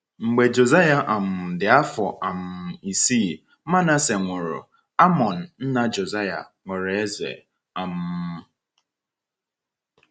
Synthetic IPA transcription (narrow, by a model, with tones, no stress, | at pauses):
ŋ͡m̩˨ɡ͡be˨d͡ʒo˨za˦ja˨ʔa˨m̩˨dɪ˨a˦fɔ̰˨ʔa˨m̩˨i˨siː˦˨ | ma˦na˦se˨ŋʷʊ˨ɾʊ̰˨ | a˦mɔ˨n̩˨n̩˦na˦d͡ʒo˨za˦ja̰˨ŋʷʊ˨ɾe˦zḛ˨ | a˨m̩˨˦˨